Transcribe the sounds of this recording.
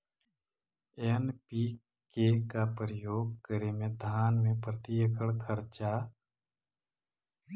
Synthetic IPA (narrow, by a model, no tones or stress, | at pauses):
enpi | kekapəɾəjoːɡ̚kəɾemẽd̪ʱaːnmẽpɾət̪ijəkʰəɭkʰəɾt͡ʃa